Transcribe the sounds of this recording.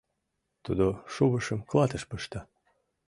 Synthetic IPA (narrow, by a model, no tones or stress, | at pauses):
t̪ud̪oʃuβəʃə̆mklˠɑt̪əʃpəʃt̪ɑ